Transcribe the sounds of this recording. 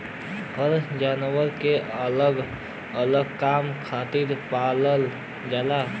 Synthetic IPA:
ɦəɾd͡ʒanʋəɾkeələɡ | ələɡkamkʰat̪iɾpaləl | d͡ʒala

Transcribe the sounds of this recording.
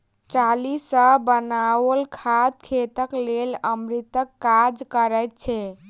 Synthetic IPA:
t͡ʃalisəbənawəlkʰad̪̚kʰet̪əkleləmɾit̪əkːad͡ʒkəɾəjt̪̚t͡ʃʰɛ

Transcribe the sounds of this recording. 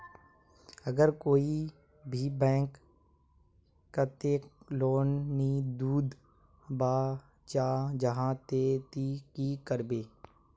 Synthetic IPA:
əɡəɾkoːi | bʱiːbɛ̃ːk | at̪eloːnːid̪uːd̪ | baː | t͡ʃaːd͡ʒəɦãt̪eːt̪ikikəɾbeː

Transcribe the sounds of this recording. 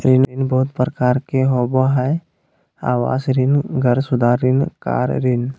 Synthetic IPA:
ɾɪnɾɪnbɔːt̪pɾəkaːɾkeɦoːboɦɛ | a̰ːwa̰ːsɾɪnɡəɾsʊd̪ʱaɾɪnka̰ːɾɾɪn

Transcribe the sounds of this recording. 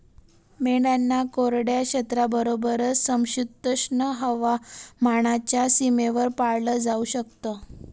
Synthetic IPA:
meɽɖanːakoɾɽjaɕət̪ɾabəɾobəɾət͡ssəmɕud̪əɕɳəɦəʋamaɽ̃at͡ɕjasimeʋəɾpaɭləd͡zauɕək̚t̪ə

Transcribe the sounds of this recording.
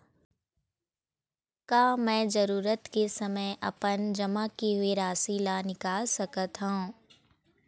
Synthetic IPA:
kaːmɛ̃ːd͡ʒɐɾuːɾət̪kesɐməjʔɐ̰pənd͡ʒɐmakeɦʊeɾaːsilanɪkaːlsɐkət̪ɦũ

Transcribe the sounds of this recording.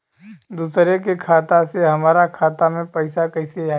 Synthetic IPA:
d̪uːsɾekekʰaːt̪aseɦɐmaːɾakʰaːt̪amẽpɐɪsakɐɪsea

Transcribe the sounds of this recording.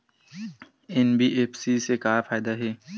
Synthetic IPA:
enbʱiʔeːfsisekaːfaːɪd̪aɦɛː

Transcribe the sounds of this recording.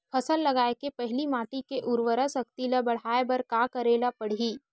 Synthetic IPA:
pʰɐsəlːɐɡaːekepɛɦlimaːʈikeʔʊɾʋəɾəsɐk̚t̪iləbɐɽ̤aːebɐɾkaːkɐɾeːlapɐɽ̤iː

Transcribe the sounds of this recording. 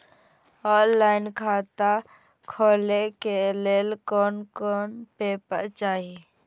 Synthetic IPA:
ɔːnlaːɪnkʰaːt̪a | kʰoːlekeleːlkɔːnkɔːnpeːpə̰t͡ʃaːɦie

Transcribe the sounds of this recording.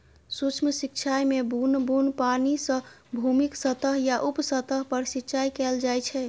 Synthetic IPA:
sut͡ʃʰmsik̚t͡ʃʰajmebunbunpanisə̃ | bʱumiksət̪əɦjaʔupsət̪əɦpəɾsikt͡ʃajkɛld͡ʒajt͡ʃʰɛ

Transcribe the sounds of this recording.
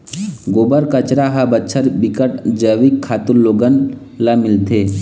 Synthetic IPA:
ɡoːbəɾkət͡ʃɾaɦabətːʃʰəɾbɪkəʈd͡ʒəʋikʰːaːt̪ulːoːɡən | lamɪlt̪ʰeː

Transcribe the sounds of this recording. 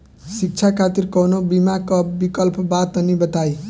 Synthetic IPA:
sik̚t͡ʃʰakʰat̪irkʌnobimakabikʌlpʰʌbat̪ʌnibʌt̪aj

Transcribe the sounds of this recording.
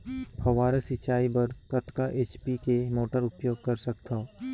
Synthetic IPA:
hɐʋaːɾasɪt͡ʃaːibɐɾkɐt̪kaʔeːt͡ʃpikemoːʈəɾʊpjoːɡ̚kɐɾsɐkt̪ʰaː

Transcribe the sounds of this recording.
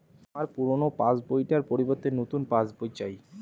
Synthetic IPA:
amaɾpuɾonopãsbojʈaɾpoɾibot̪ːenot̪unpãsbojt͡ɕaj

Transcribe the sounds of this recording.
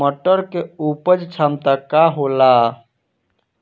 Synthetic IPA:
məʈːəɾkeupəd͡ʒt͡ʃʰamt̪akaɦola

